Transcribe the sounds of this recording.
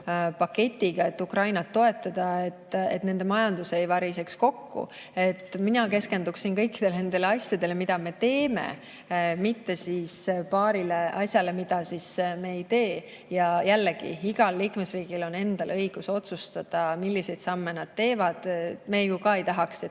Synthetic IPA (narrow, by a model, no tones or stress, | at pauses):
pɑkːe̞t̪ʲːˑiɡ̥ɑe̞t̪ːukrɑjnɑt̪ːo̞e̞t̪ːˑɑd̪̥ɑet̪ːe̞̰t̪ne̞nd̪emɑjɑnd̪̥usejvɑɾise̞ksko̞kːṵ | e̞t̪ːminɑke̞ske̞nd̪uksinkɤ̞jkːi̥d̪̥e̞lne̞nd̪̥e̞leɑsʲjɑd̪e̞lemid̪̥ɑme̞t̪e̞ːme̞̰ | mit̪ːe̞sispɑːɾileʔɑsjɑle̞mid̪̥ɑsisme̞ːjt̪e̞ː | jɑjælːeɡ̥ḭiɡ̥ɑlːiːkme̞sriːɡ̥ilo̞ne̞nd̪̥ɑlɤ̞jɡ̥uso̞t̪sust̪ɑd̪̥ɑmilːise̞jd̥̪sɑmːe̞nɑd̪̥t̪e̞ːvɑd̪̥mejkukɑe̞jt̪ɑɦɑkse